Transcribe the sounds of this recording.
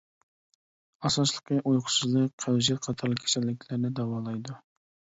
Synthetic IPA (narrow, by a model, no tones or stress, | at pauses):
ɑsɑslˠəqʰəʔujqʰʊ̥sɨzlˠək̚ʲqʰæwzjɛt̪qʰɑt̪ʰɑɾlˠəkʲʰe̥sɛlːɪkʲʰlɪɾnɪd̪ɛwɑːlˠɑjd̪u